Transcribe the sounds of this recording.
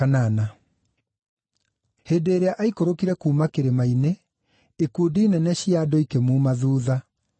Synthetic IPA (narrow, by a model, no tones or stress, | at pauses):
anana | heːdeːɾeaʔaikoɾokiɾɛkuːmakeɾemaine | ekudiinɛnɛɕiadɔikemumaðuːða